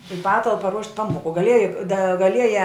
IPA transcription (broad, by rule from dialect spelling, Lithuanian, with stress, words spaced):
ɪ ˈpɑːtɐlˠpɐ ruɔʃʲtʲ ˈpɑːmoːkʊ ɡɐˈlʲiɛjɛ dɐ ɡɐˈlʲiɛjɛ